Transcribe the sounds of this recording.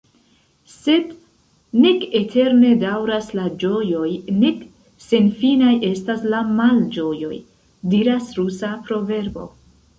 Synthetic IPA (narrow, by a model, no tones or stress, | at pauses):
se̞d | ne̞ke̞tʰe̞ɾne̞dawɾaslad͡ʒo̞jo̞jne̞k | se̞nfinajʔe̞staslamald͡ʒo̞jo̞̰j | diɾasɾusapɾo̞ve̞ɾbo̞̰